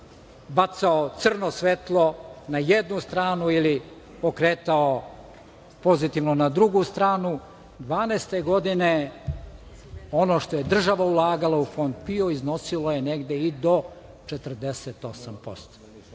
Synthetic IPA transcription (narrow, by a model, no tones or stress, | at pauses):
bat̪saot̪sr̩nosʋet̪lˠo̞najed̪nust̪ɾaːnuili | pokɾeːt̪ao | po̞zit̪iʋnonad̪ɾuɡust̪ɾaːnu | d̪ʋaːneːst̪eɡo̞d̪ine | o̞no̞ːʃt̪o̞jed̪r̩ʒaʋaulˠaːɡalaufo̞nd̪̚pio̞izno̞silojeneɡd̪eid̪o̞ | t͡ʃet̪r̩d̪eset̪osampo̞̰st̪o̥